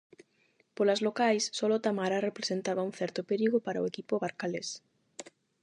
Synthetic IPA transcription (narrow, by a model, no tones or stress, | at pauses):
polazlokajsːɔlʊt̪amaɾarepɾe̥sent̪aβaũŋ̟θɛɾt̪opeɾiɣopaɾaʊekipoβaɾkales